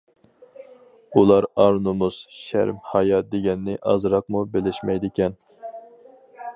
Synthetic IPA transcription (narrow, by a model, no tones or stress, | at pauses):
ulˠɑɾɑɾnumuz̥ʃæ̰ɾmhɑjɑd̪eɡʲɛnːɪʔɑzɾɑq̚mubelɪʃmɛjd̪ɪkʲɛn